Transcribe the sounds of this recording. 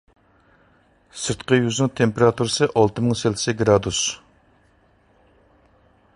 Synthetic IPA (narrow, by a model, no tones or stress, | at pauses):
sɨɾt̪qəjyznɪŋt̪ʰempeɾɑt̪ʰuɾɨsɨʔɑlˠt̪ɨmɪŋselɪsɪɡɾɑd̪us